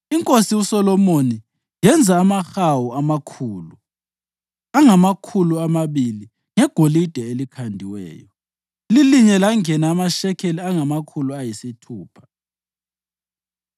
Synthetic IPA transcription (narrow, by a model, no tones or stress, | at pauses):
iŋkʼosiusɔlɔmoni | jɛnd͡zʱaːmaxawuamakʰuːlu | aŋamakʰuluamaβili | ŋɛɡ̥ʱolid̥ʱɛelikʰandʱiwɛ̰ːjɔ | liliɲɛlaŋɛnaːmaʃɛkʰeliaŋamakʰuluajisitʰuːpʰḁ